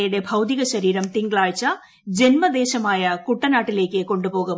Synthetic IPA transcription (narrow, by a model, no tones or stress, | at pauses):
juɽe̞bʱɐwd̪iɣɐɕɐɾiːɾɐmt̪iŋɡɐɭaːɻt͡ɕːɐ | d͡ʑe̞nmɐd̪e̞ːɕɐmaːjɐkuʈːɐnaːʈːile̞ːkːɨko̞ɳɖupoːɣu